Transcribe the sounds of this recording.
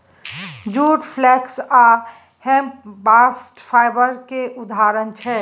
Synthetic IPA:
d͡ʒuːʈpʰlɛksa | hɛ̃mp̚baːsʈpʰaɪbəɾkeʔʊd̪aɾənt͡ʃʰɛ

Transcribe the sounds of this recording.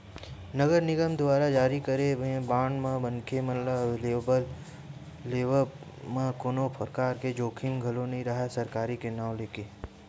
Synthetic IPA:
nɐɡəɾnɪɡəmd̪ʊwaːɾad͡ʒaːɾikəɾebẽbãːɳɖmãbɐnkʰemɐt̪ləbleːbəlː | eːʋə | mãkoːnopʰɐɾkaːɾked͡ʒoːkʰɪ̃ŋɡɡʱɐlõnɐɦĩɾɐɦasɐɾkaːɾikenaːw̃leːkeː

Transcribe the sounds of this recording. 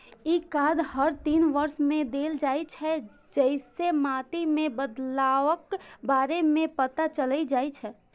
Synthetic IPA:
ikad̪həɾt̪inʋəɾsmẽd̪eld͡ʒajt͡ʃʰɛ | d͡ʒəɪsemat̪imẽbəd̪laʋəkbaɾemẽpət̪at͡ʃələd͡ʒajt͡ʃʰɛ

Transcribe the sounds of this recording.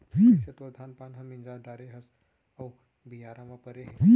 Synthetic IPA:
ɦisɐt̪od̪ʱaːnpaːnɦɐmind͡ʒaːɖaːɾeɦɐs | ɐw | bijaːɾamapəɾeɦ

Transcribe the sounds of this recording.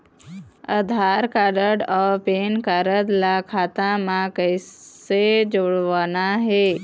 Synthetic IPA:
əd̪ʱaːɾkaɾəɖɔːɾpeːnkaɾəd̪lakʰaːt̪amãkəɪsed͡ʒoːɽʋaːnaɦe

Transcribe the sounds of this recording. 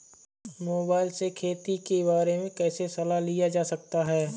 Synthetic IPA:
moːbaːɪlsekʰeːt̪ikebaːɾemẽkɛːsesɐlalijad͡ʒaːsɐk̚t̪aɦɛː

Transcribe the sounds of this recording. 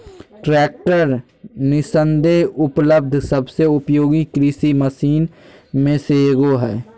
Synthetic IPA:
ʈɾɛːk̚ʈəɾ | nɪsə̃nd̪eʊpləb̚d̪ʱsəbseʊpjoːɡikɾisiməsiːnmẽseeɡoɦɛː

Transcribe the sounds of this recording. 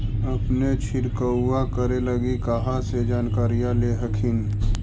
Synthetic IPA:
əpnet͡ʃʰɪɾkəakəɾeləɡikaɦãsed͡ʒaːnkaːɾijãleɦəkʰin

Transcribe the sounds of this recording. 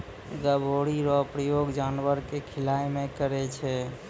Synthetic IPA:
ɡəbʱoɽiɾɔpɾəjoɡd͡ʒanʋəɾkekʰilajmekəɾɛt͡ʃʰɛ

